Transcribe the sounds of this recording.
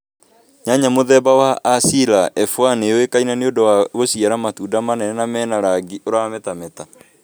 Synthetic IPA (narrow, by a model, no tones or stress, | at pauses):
ɲaɲamoðɛbawaːsilaʔɛfwanewekainaneondowaɣosiaɾamatuːdamanɛnɛnamɛːnaɾaɡiʔoɾawamɛtamɛta